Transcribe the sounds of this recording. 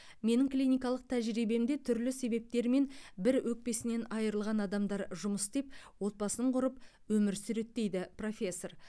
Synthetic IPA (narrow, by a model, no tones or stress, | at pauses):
me̞nɪŋklʲijnijkɑlˠəq̚t̪ʰæʒɾijbe̞md̪e̞t̪ʰʏɾlɪse̞be̞p̚t̪e̞ɾme̞nbɪɾwɵk̚pe̞sɪne̞nɑjəɾəlˠʁɑnɑd̪ɑmd̪ɑɾʒʊməsd̪e̞p̚wo̞t̪̚bɑsənəɴqʰʊɾəp̚ | wɵmɪɾsʏɾe̞t̪ːe̞jd̪ɪpro̞fʲe̞sːo̞r